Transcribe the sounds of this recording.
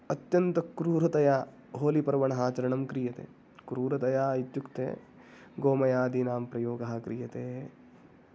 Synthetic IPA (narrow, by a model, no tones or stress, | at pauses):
ɐt̪jɐnt̪ɐkɾuːɾɐt̪ɐjaː | ɦoːlipɐɾʋɐɳɐɦaːt͡ʃɐɾɐɳɐmkɾijɐt̪ḛː | kɾuːɾɐt̪ɐjaːɐjit̪jukt̪ḛː | ɡoːmɐjaːd̪inaːmpɾɐjoːɡɐɦɐkɾijɐt̪eː